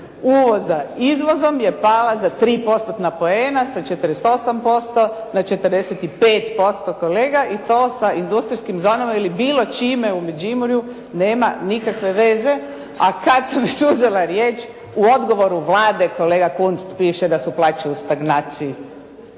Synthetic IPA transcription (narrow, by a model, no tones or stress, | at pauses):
uʋo̞zaizʋo̞zo̞mje̞paːlazat̪ɾiːpo̞st̪ot̪napo̞eːnasat͡ʃet̪əɾest̪osampo̞st̪o̞nat͡ʃe̞t̪ərd̪eset̪ipeːt̪po̞st̪okoleːɡaʔit̪oːsaind̪ust̪ɾiskimzoːnamailibiːlo̞t͡ʃiːme̞umed͡ʒimuɾju | neːma̰nikakʋe̞ʋe̞ze̞ | akad̪samjiʃuzelaɾjeːt͡ʃ | uo̞d̪ɡo̞ʋo̞ɾuʋlaːd̪e̞ko̞leɡakunst̪piːʃed̪asuplˠaːt͡ʃeust̪aɡnaːt̪siji